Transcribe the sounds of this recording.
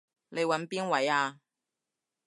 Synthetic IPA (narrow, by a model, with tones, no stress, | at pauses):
le˨˧jwɐ˨˧˥npiː˥nwɐ˨˥jaː˧